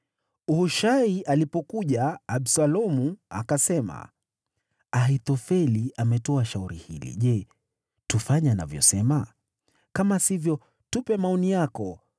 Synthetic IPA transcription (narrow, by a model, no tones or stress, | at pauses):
uhuʃaiʔalipɔkuʄaːɓsalɔmua̰kasɛma̰ | aɦit̪ɔfɛliamɛtɔaʃauɾḭhḭlḭʄɛ | tufaɲana̰vjɔ̰sɛma | kamasivjɔ | tupɛmaɔnijakɔ